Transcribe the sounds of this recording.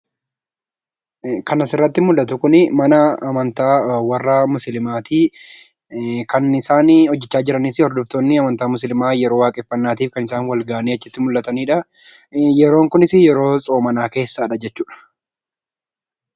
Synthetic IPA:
kɐnɐsɪrːɐt̪ːɪmʊlːɐt̪ʊkʊnɪmɐnɐːmɐnt̪aːwɐrːaːmʊslɪmaːt̪iː | kɐnɪsaːnhɔd͡ʒːɛt͡ʃːaːd͡ʒɪɾɐnisɪhɔɾd̪ʊft̪oːnːɪɐmɐnt̪aːmʊslɪmaːjɛɾo̞ːwaːkʼɪfːɐnːaːt̪iːfkɐnɪsaːnwɐlɡɐʔɐniːɐt͡ʃːɪt̪ːɪmʊlːɐt̪ɐniːᶑɐ | jɛɾo̞ːŋkʊnɪsɪjɛɾo̞ːsʼo̞ːmɐnaːke̞ːsːaːᶑɐd͡ʒɛt͡ʃːuːᶑɐ̥

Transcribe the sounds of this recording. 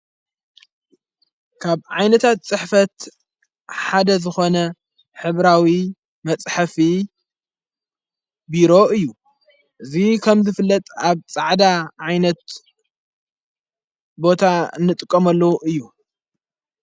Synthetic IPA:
kʰaβʕajnɐt̪ʰat̪̚t͡sʼɨħfɐt̪ | ħad̪ɐzɨxo̞nɐ | ħɨβɾawi | mɐt͡sʼħafi | biɾo̞ʔɨjːu | ʔɨzikʰɐmzɨfɨlːɐt̪ʼaβt͡sʼaʕd̪aʕajnɐt̪ | bo̞t̪ʰanːɨt̪ʼɨkʼːɐmɐlːɐwʔɨjːu

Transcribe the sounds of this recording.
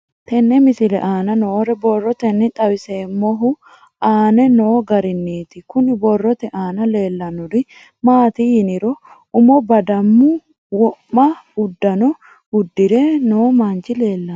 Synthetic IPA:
t̪ɛnːɛmɪsɪlɛ̰ʔaːnɐnoːɾɛbɔrːɔt̪ɛnːɪt̪ʼɐwɪse̞ːmːɔɦʊ | aːnɛno̞ːɡɐɾɪnːiːt̪ɪkʊnɪbɔrːɔt̪ɛʔaːnɐle̞ːlːɐnʊɾɪ | maːt̪ijɪnɪɾɔ | ʊmɔbɐd̪ɐmːʊ | wɔʔːɐhʊd̪ːɐnɔ | hʊd̪ːɪɾɛnoːmɐnt͡ʃɪle̞ːlːɐ

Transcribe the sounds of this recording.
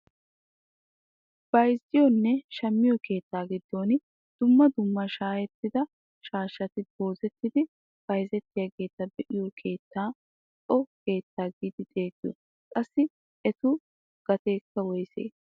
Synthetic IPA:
b̥ɐjzɪjɔnːɛʃɐmːɪjɔke̞ːt̪ːaːɡɪd̪ːo̞ːnɪ | d̪̥ʊmːɐd̪ʊmːɐʃaːjɛt̪ːɪd̪ɐ | ʃaːʃɐt̪ɪbo̞ːzɛt̪ːɪd̪ɪ | b̥ɐjzɛt̪ːɪjaɡe̞ːt̪ːɐbɛʔɪjɔkʰe̞ːt̪ːaː | ʔɔke̞ːt̪ːaːɡid̪ɪd̪ʼeːɡɪɔ | kʼɐsːɪ | ɛt̪ʊ | ɡ̥ɐt̪e̞ːkːɐwɔjsḛː

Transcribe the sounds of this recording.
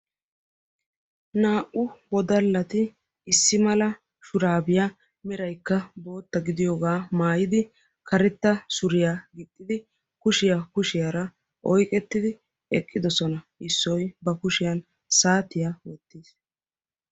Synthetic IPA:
naːʔʊwɔd̪ɐlːɐt̪ɪ | ɪsːɪmɐlɐ | ʃʊɾaːbɪja | mɛɾɐjkːɐbo̞ːt̪ːɐɡɪd̪ɪjoːɡaːmaːjɪd̪ɪ | kʰɐɾɛt̪ːɐsʊɾɪjaɡɪt̪ʼːɪd̪ɪ | kʊʃɪjakʊʃɪjaɾɐ | ʔɔjkʼɛt̪ːɪd̪ɪ | ɛkʼːɪd̪ɔsɔnɐɪsːɔjbɐkʊʃɪjɐn | saːt̪ɪjawɔt̪ːiːs

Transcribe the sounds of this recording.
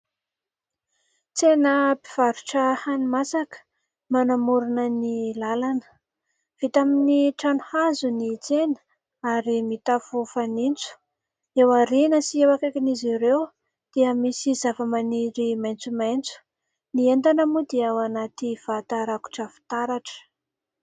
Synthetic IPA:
t͡senəpi̥v̥aɾuʈ͡ʂəhanimasakə̥ | manamuɾunənilalanə̥ | v̥it̪aminiʈ͡ʂanuhazunit͡senə̥ | aɾimit̪afufanint͡su̥ | ewaɾinəsiewakakiniziɾew | d̪̥iəmisizavəmaniɾimajnt͡sumajnt͡su̥ | niend̪anəmud̪iawanat̪iv̥at̪aɾaku̥ʈ͡ʂəfi̥t̪aɾaʈ͡ʂə̥

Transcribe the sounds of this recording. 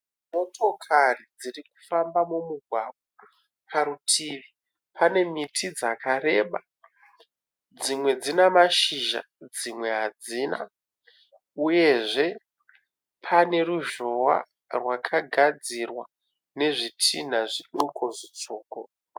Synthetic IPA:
mo̞tʰo̞kʰarid͡ziriku̥fambamumuɡʱwaɓwa | kʰaɾutʰiːʋi | pʰane̞mitʰid͡zakʰare̞ɓa | d͡zimwe̞d͡zinamaʃiʒa̰ | d͡zimwe̞ɦad͡ziːna̰ | uje̞ʐe̞ | pʰane̞ruʒowa̰ | rwakʰaɡʱad͡zirwa | ne̞ʐitʰin̤aʐiɗukoʐit͡soːko

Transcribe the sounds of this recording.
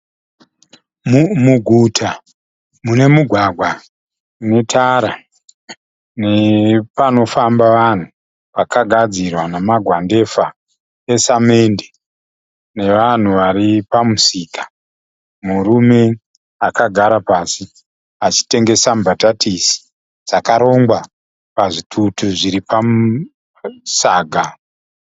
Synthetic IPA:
muɡʱutʰa | mune̞muɡʱwaɡʱwa | ne̞tʰaɾa | ne̞pano̞fambaʋan̤u | ʋakaɡʱad͡zirwanamaɡʱwande̞fa | esame̞nde | ne̞ʋan̤uʋaripamusiːkḁ | muɾume̞ | akaɡʱaɾapasi | at͡ʃi̥te̞ŋɡe̞sambʱatatʰisi̥ | ʐ̥akaɾo̞ŋɡwa | paʐitʰutuʐiɾipa | saːɡʱa

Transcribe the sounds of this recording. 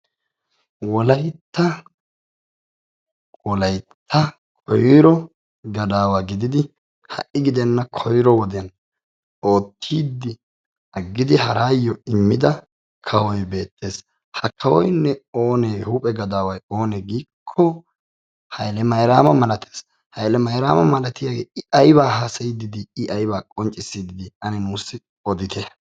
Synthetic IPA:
wɔlɐjt̪ːɐ | wɔlɐjt̪ʰːɐ | kʰɔjɾɔ | ɡɐd̪aːwaɡɪd̪ɪd̪ɪ | hɐ̰ʔɪɡɪd̪ɛnːɐkʰɔjɾɔwɔd̪ɪjɐn | o̞ːt̪ʰːiːd̪ːɪ | ɐɡːɪd̪ɪhɐɾaːjːɔɪmːɪd̪ɐ | kʰɐwɔjbe̞ːt̪ʰːe̞ːs | hɐkʰːɐwɔ̰jnːɛoːneːhuːpʼɛɡɐd̪aːwɐjo̞ːnɛɡiːkʰːɔ | hɐjlɛmɐjɾaːmɐmɐlɐt̪ʰeːs | hɐjlɛmɐjɾaːmɐmɐlɐt̪ɪjaɡḛːɪɐjbaːɦɐsɐjd̪ɪd̪ɪɪʔɐjbaːkʼɔnt͡ʃʼːɪsːiːd̪ɪd̪ɪɐnɪnuːsːɪ | ɔd̪ɪt̪ʰɛ

